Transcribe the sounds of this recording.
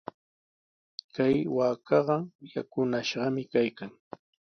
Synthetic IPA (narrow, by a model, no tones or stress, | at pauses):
kajwaːkɑɢɑjakʊnaʃɢɑmɪkajkaŋ